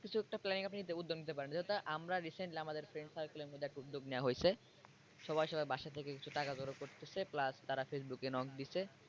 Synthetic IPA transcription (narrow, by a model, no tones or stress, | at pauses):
kit͡ɕʰuɛk̚ʈaplɛniŋkapninit̪eud̪ːoɡnit̪epaɾenad͡ʑeɦt̪aʔamɾaɾiseɳʈliamad̪eɾfɾeɳɖsalkolemod̪iɛkʈud̪ːoɡneoaɦojt͡ɕʰe | ʃɔbajʃɔbajbaʃat̪ʰekekit͡ɕʰuʈakad͡ʑoɾokoɾt̪et͡ɕʰeplast̪aɾafes̬bukenɔkd̪it͡ɕʰe